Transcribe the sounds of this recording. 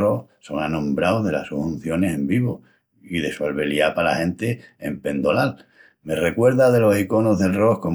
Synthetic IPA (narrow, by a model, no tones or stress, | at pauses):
ohso̞ŋanõ̞mbɾawðe̞la̰hsuhun̟θjo̞ne̞se̞mbiβo | iðe̞sualβe̞liapala̰hẽ̞nt̪e̞ːmpe̞nd̪o̞lal | me̞re̞kwe̞ɾðaðe̞lo̞siko̞noɦðe̞lro̞hko̞